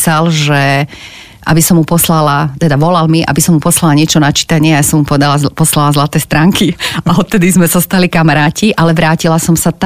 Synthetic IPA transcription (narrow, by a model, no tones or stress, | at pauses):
salʒɛ | ʔa̰bisɔmːupɔslalat̪ɛd̪aʋɔlalmiʔa̰bisɔmːupɔslalaɲɪɛt͡ʃɔnat͡ʃi̥t̪aɲɪɛajasɔmupɔʋɛd̪alapɔslalazlat̪ɛːst̪ɾaːŋkiaɔt̪̚t̪ɛd̪izmɛzast̪alikamaɾaːciʔalɛʋɾaːcilasɔmsat̪